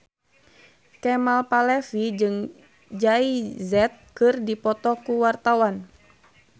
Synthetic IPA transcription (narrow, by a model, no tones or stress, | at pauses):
kɛmalpalɛfid͡ʒɨŋ | d͡ʒaizɛt̪̚kɨrdipɔt̪ɔkuwart̪awan